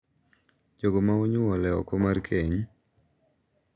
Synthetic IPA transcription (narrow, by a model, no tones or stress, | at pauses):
d͡ʒoɡomaoɲʊwɔlɛɔ̰kɔmarkʰeɲ